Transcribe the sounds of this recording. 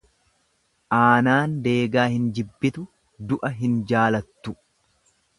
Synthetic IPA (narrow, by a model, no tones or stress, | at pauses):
ʔaːnaːnd̪eːɡaːhɪnd͡ʒɪbːɪt̪ʊ | d̪ʊʔɐɦɪnd͡ʒaːlɐt̪ːʊ